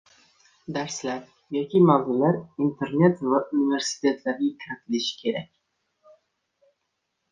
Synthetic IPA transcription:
d̪aɾslaɾ | jɒkʲʰimavzɪlaɾint̪ʰe̞ɾne̞t̪vaʔunive̞ɾsi̥t̪ʰʲe̞t̪ʰlaɾɡʲakʰʲɾat̪ʰɪlɪʃɪ̥kʲʰe̞ɾakʲ

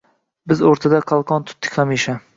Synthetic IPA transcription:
bɪzoɾt̪ʰad̪aqʰɑlˠqʰɒnt̪ʰʊ̥t̪ːɪ̥kʲχamiʃa

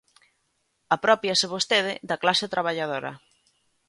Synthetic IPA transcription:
apɾɔpjaseβ̞ost̪eð̞ɪðɐklaset̪ɾaβaʎað̞oɾɐ̰

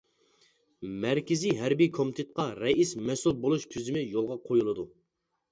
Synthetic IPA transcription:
mæɾkʲɪziɦæɾbikʰomt̪ʰet̪̚qɑɾɛismɛsulˠbolˠuʃt̪ʰyzɪmɪjolˠʁɑqʰojulˠɨd̪u

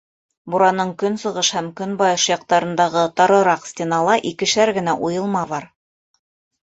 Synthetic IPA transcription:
buɾɑnɤɴkɵnsɤ̆ʁɤʃhæmkɵnbɑjɤʃjɑq̚t̪ɑɾɤ̆nd̪ɑʁɤt̪ɑɾɤ̆ɾɑqsʲtʲenɑlˠɑʔikɘ̆ʃæɾɡɘ̆næʔujɤ̆lˠmɑβɑɾ

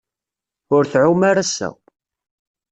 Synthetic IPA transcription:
ʊɾθʕumaɾæsæ̰w

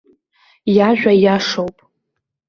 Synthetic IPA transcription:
jaʒᶣajaʂowpʼ

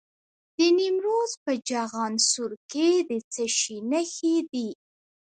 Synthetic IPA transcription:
d̪̥ənimɾozpəd͡ʒaɣɑnsuɾked̪ət͡səʃinəxed̪i

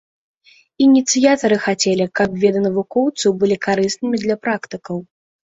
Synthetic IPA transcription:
inʲit̪sɨjat̪ɐɾɨxat͡sʲɛlʲikɐbvʲɛd̪ɐnɐvukɔwt̪sɨwbɨlʲikaɾɨsnɨmʲid̪lʲɐpɾakt̪ɨkɐw

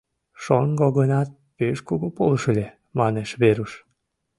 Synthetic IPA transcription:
ʃonɡoɣɤnɑt̪̚ | peʃkoɣopolʃəlʲe | mɑneʃβeɾuʃ

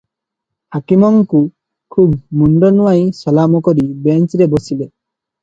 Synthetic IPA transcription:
hakimɔŋku | kʰubmunɖɔnuwajsɔlamɔkɔɾibent͡ʃɾebosile

